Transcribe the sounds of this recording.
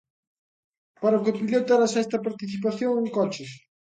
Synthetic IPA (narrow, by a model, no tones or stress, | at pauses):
paɾɐʊkɪpiʎot̪ɛɾasɛst̪ɐpaɾt̪iθip̬aθjoŋeŋkɔt͡ʃɪs